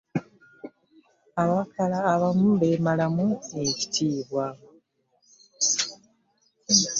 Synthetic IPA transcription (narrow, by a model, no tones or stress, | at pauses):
aβakalaːβamuβe̞malamueci̥tʰiːβwa